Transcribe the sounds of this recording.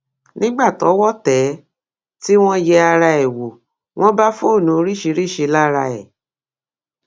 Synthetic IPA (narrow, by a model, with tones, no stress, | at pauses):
nĩ˦ɡ͡ba˦˨tɔ˨˦wɔ˦˨tɛ˨˦ | ti˦w̃ɔ̃˦jɛ˧a˧ɾa˧ɛ˨wo˨ | w̃ɔ̃˦ba˦fo˦˨nũ˨˦o˧˦ɾi˦˨ʃe˧ɾi˦˨ʃe˧la˦ɾa̰˧ɛ˨